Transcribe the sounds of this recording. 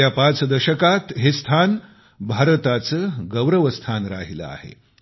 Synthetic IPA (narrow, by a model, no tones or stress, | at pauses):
japat͡səd̪əɕəkat̪ɦest̪ʰan | bʱaɾət̪at͡səːɡəwɾəʋəst̪ʰanɾa̰ɦilə̰a̰hḛ